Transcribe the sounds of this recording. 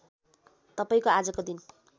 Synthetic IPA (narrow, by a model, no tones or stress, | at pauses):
t̪ʌpaĩkoad͡zʌkod̪in